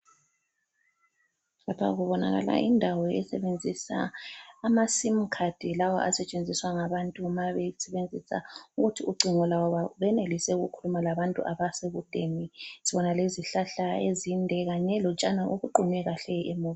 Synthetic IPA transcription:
lapʰa̰ɣuβɔna̰ɣa̰la̰ʔḭndʱawɔɛ̰sɛβend͡zʱisa̰ːmasim̩kʰad̥ʱilawɔ̰ʔa̰sɛt͡ʃʼend͡zʱiswaŋaβantʼumaβɛsɛβend͡zʱisa̰uɣutʰiuɡ͡ǀʱiŋɔlawɔβaβɛnelisɛuɣṵkʰulumalaβantʼṵʔaβaseɣud̥ʱenisiβɔnaleziɬaɬaezindʱɛɣaɲɛlɔt͡ʃʼanaʔuɣuǃʱuŋwɛɣaɬɛʔemuβ

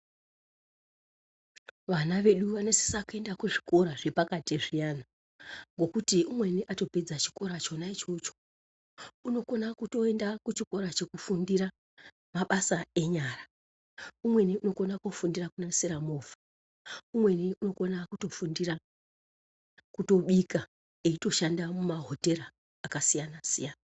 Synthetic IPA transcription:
ʋanaʋe̞ɗuʋanese̥sakue̞ndakuʐiko̞ɾaʐe̞pakatieʐijana | ŋɡo̞kutiumwe̞niʔato̞pe̞d͡zat͡ʃi̥ko̞ɾat͡ʃo̞nait͡ʃo̞t͡ʃo̥ | uno̞ko̞nakuto̞e̞ndakut͡ʃiko̞ɾat͡ʃe̞kufundiɾa | maɓasae̞ɲaːra | umwe̞niuno̞ko̞nakofundirakunaseɾamoːvḁ | umwe̞niʔuno̞ko̞nakuto̞fundiɾa | kuto̞ɓika | eito̞ʃandamumaɦo̞te̞ɾaː | kasijanasijaːna

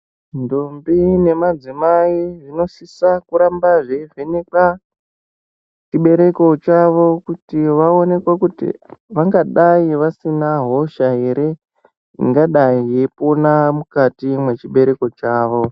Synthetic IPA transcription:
ndombine̞mad͡zimaiʐino̞sisakuɾambaʐeʐeneka | t͡ʃiɓe̞ɾe̞ko̞t͡ʃaʋo̞kutiʋao̞ne̞kwakutḭʋaŋɡaɗaiʋasinaɦo̞ʃaɦe̞ɾe̞ | ḭŋɡaɗaijeponamukatimwe̞t͡ʃiɓe̞ɾe̞ko̞t͡ʃaːʋo

